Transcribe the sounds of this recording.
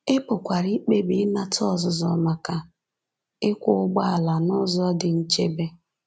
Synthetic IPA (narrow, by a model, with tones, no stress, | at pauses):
ɪ˦pʊ˨kʷa˨ɾi˦k͡pe˦bi˨˦na˦tɔ˦˨zʊ˨zɔ̰˨ma˨ka˨ | ɪ˦kʷʊ˦ʊ˦ɡ͡ba˦a˨la˨nʊ˦zɔ˦dɪ˨n̩˦t͡ʃe˦be˦